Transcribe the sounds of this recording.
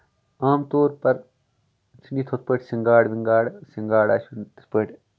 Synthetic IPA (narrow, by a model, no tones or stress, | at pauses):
aːmt̪oːɾpɐɾ | t͡ʃʰiniːt̪ʰot̪̚pəʈsiŋɡaːɽʋiŋɡaːɽsiŋɡaːɽaːʃʰunt̪ɨt̪peːʈ